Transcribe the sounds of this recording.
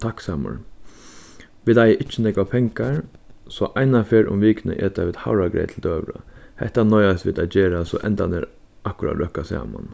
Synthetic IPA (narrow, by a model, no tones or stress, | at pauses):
t̪ʰaksaːmʊ̰ɹ | ʋɪːd̪ajʔɪt͡ʃːənɛkʋapʰɛŋkaɹ | sɔʔaɪnafeːɾʊ̰mʋiːknə̰ʔɛt̪aʋɪd̪haʊɾaɡɾɛ̰ɪt̪ʰld̪øːʋɾə̰hɛht̪anɔjast̪ʋḭɪːd̪aɪd͡ʒeːɾasɔʔɛnt̪anɪɾ | akʊɾa̰t̪ɾœhkasa̰ːma̰n